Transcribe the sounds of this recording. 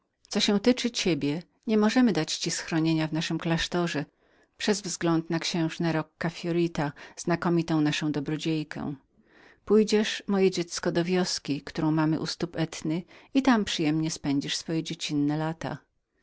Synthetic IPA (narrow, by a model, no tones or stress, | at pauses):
t̪sɔɕɛ̃w̃t̪ɘt͡ʂɘt͡ɕebʲjɛ | ɲɛmɔʐɛmɘd̪at͡ɕt͡ɕisxɾɔɲeɲavnaʂɘmklaʂt̪ɔʐɛ | pʂɛzvzɡlɔnt̪nakɕɛ̃w̃ʐnɛɾɔkːafʲjɔɾʲit̪az̥nakɔmʲit̪ɔ̃w̃naʂɔ̃w̃d̪ɔbɾɔd͡ʑejkʰɛ̰̃ | pujd͡ʑɛʂmɔjɛd͡ʑɛt̪skɔd̪ɔvʲjɔskʲikt̪uɾɔ̃w̃mamɘ̰ʔust̪upɛt̪nɘit̪ampʂɘjɛmɲɛspɛɲd͡ʑiʂsfɔjɛd͡ʑet͡ɕinːɛlat̪a̰